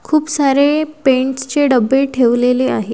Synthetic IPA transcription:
kʰuːpsaɾepeɳʈst͡ɕeɖəbːəʈʰeʋleleaɦe

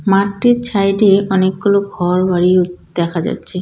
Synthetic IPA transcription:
maiɾt͡ɕʰajɖeɔnek̚ːoloɡʱɔɾbaɾid̪̥ɛkʰad͡ʑa̰tːɕʰe

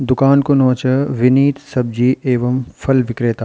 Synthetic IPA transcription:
d̪ʊkaːnkonɔ̃ːt͡ʃəʋɪniːt̪sɐb̚d͡ʒiːʔeːʋɐmfʰɐlʋɪkɾeːt̪a

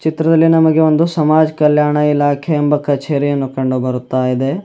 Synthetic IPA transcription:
t͡ʃit̪ɾɐd̪ɐlːinɐmɐɡe̞o̞nd̪usɐmaːd͡ʒɐkɐljaːɳɐilaːkʰeːmbɐkɐt͡ʃe̞ːɾijɐnːukɐɳɖubɐɾut̪ːaːjid̪e̞

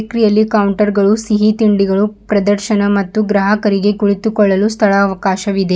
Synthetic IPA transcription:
kɾijɐlːikɐwɳʈɐɾɡɐɭusiɦit̪iɳɖiɡɐɭupɾɐd̪ɐɾʃɐnɐmɐt̪ːuɡɾɐɦɐkɐɾiɡekuɭit̪ukɔɭːɐlust̪ʰɐɭɐːʋɐkaːʃɐʋid̪e

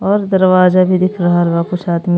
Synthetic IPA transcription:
ɔːɾd̪ɐɾʋaːzabʱid̪ɪkʰɾɐɦaalʋakʊʃaːd̪mi

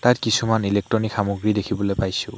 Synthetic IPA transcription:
tatkisumanilek̚tɹɔnikxamoɡɹidekʰibɔlojpajsʊ̃

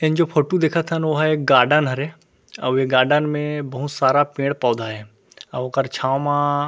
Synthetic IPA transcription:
ɪnd͡ʒoːpʰoːʈud̪eːkʰət̪ʰənʋoɦaek̚ɡaːɖənɦɐɾe | ɐ̰beɡaːɖənmẽbɐɦʊt̪saːɾapẽːɽpɔːd̪ʱaɦɛ | ɐbkəɾt͡ʃʰaːwmã

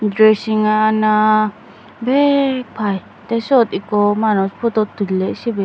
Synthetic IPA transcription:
d̪ɾesiŋanã | bepʰaj | t̪esot̪ikomanõspʰut̪ot̪ulesibe

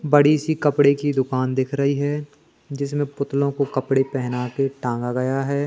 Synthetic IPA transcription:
bɐɽisikɐpɽekid̪ʊkaːnd̪ɪkʰɾɐɦiɦɛː | d͡ʒɪs̬mẽpʊt̪lõkokɐpɽepɛɦnakeʈãːŋɡaɡɐjaɦɛː

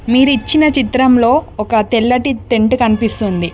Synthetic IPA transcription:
miːɾuit͡ʃːinɐt͡ʃit̪ɾɐmlo̞ːɔkɐt̪elːɐʈit̪eɳʈukɐnipist̪und̪i

